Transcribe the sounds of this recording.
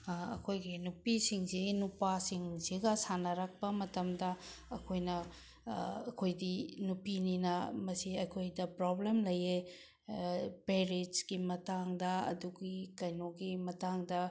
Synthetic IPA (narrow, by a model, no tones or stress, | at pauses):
ɐ̰kʰojɡinupisiŋziɡinupasiŋziɡɐsanɐɾak̚pɐmɐtɐmdɐːkʰojnɐ | ɐkʰojdinupininɐmɐsiɐkʰojdɐpɾoblemlɐje | peɾitsɡimɐtaŋdɐɐ̰duɡikɐjnoɡimɐtaŋdɐ